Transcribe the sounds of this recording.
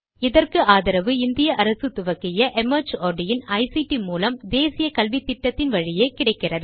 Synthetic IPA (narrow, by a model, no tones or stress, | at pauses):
ɪðɐrkɯaːðɐɾɐʋɯɪnd̪ɪjɐʔɐɾɐsɯt̪ʊʋɐkːɪjɐʔɛmɐɾd͡ʒoːɾɖɪjɪnɐɪsiʈimuːlɐmd̪eːsɪjɐkɐlʋit̪ːɪʈːɐt̪ːɪnʋɐɻɪjeːkɪɽɐɪkːɪrɐðɯ